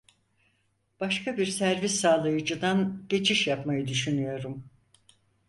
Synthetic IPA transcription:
b̥aʃkabiɾsæɾvisːaːlˠajɯd͡ʒɯd̪anɟe̞t͡ʃʰiʃjapmajɯd̪yʃynyjo̞ɾum

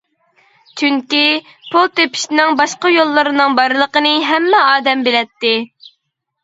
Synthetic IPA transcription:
t͡ʃʰyŋkʲi | pʰulˠt̪epi̥ʃinɪŋbɑʃqɑjolˠːɨɾɨnɨŋbɑɾlˠəqənɨɦɛmːɛɑːd̪ɛmbelɛt̪ːɪ

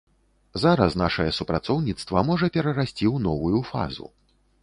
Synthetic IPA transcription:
zaɾɐsnaʂɐjɛsupɾat̪sɔwnʲit̪st̪vɐmɔʐɐpʲɛɾɐɾasʲt͡sʲiwnɔvujufa̰zṵ

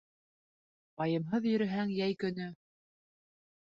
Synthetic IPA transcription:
bɑjɤ̆mɦɤðjɵ̆ɾɘ̆ɦæŋjæjkɵ̆nɵ

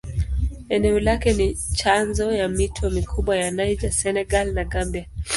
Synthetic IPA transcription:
ɛnɛɔlakɛnit͡ʃanzɔjamitʰɔmikʰuɓwajanajd͡ʒasɛnɛɡalnaɡambia

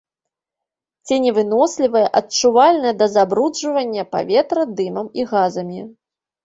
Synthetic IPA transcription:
t͡sʲɛnʲɛvɨnɔslʲivɐjɐʔɐtt͡ʂuvalʲnɐjɐd̪ɐzabɾud͡ʐɐvɐnʲːɐpa̰vʲɛt̪ɾɐd̪ɨmɐmiɣazɐmʲi

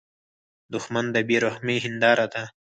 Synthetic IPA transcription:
d̪ʊxmand̪əbiɾohmeɦɪnd̪ɑːɾad̪a

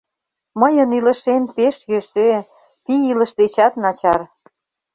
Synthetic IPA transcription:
məjə̆nilə̆ʃenpeʃjeʃe | piilə̆ʃd̪et͡ɕɑt̪nɑt͡ɕɑr

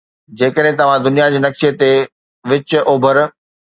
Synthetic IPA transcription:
d͡ʑeːkəɗɦẽt̪ɐʋ̤ãd̪ʊnijad͡ʑeːnɐkʃet̪e | ʋɪt͡ɕʊʔoːbʱəɾ

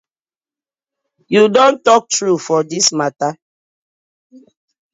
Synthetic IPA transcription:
judõntɔk̚tɹufɔdismata

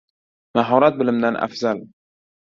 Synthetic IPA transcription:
maɦɒɾat̪̚bɪlɪmd̪anʔa̰fz̥al

